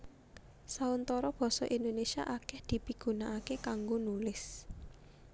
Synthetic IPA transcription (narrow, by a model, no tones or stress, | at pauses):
saunt̪ɔɾɔb̥ɔ̤sɔʔind̪onesia̰ʔakɛhd̪̥i̤piɡ̥ṳnaʔakekaŋɡonulɪs